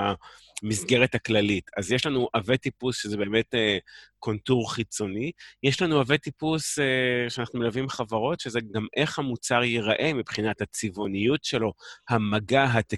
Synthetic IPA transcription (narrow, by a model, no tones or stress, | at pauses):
a | misɡe̞ʁethaklalitʰazjeʃlanuʔave̞tipusʃezebe̞ːme̞teko̞ntuʁχit͡so̞nijeʃlanuavetipuseʃeanaχnumelavimχavaʁo̞tʃezeɡamʔe̞χhamut͡saʁjiʁaʔe̞mibχinathat͡sivo̞nijutʃe̞lo̞hamaɡaɦate